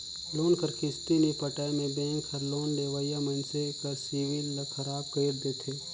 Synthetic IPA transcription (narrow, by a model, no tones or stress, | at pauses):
loːnkəɾkest̪inipəʈamẽbẽːŋkʰɐɾloːnɖ̪eːʋajamənsekasiːʋinlɐkʰɐɾaːb̚kəjɾd̪eːt̪ʰeː